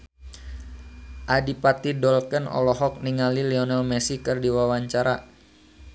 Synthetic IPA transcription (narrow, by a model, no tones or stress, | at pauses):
ʔadipat̪idɔlkənɔ̰lɔɦɔk̚niŋaliliɔnɛlmɛsikɨrdiwawaɲt͡ʃaɾa